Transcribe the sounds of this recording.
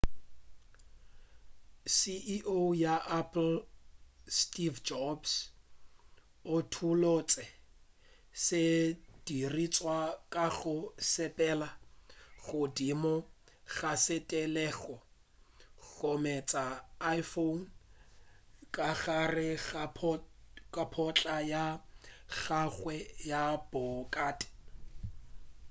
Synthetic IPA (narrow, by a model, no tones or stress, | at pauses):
siʔiʔojaʔapʰʼl̩ | stʼivd͡ʒɔbs | ʊtʰulot͡sʼɛ | sɪd̥irit͡sʼwakʼaɣʊsɛpʼɛːlaɣʊdimɔ | ɣasɪtʼɛlɛːɣɔ | ɣomɛt͡sʼaːjfon | kʼaɣarɪp | kʼapʰɔt͡ɬʼajaɣaɣwɛjab̥ɔkʼaːtʼɪ̥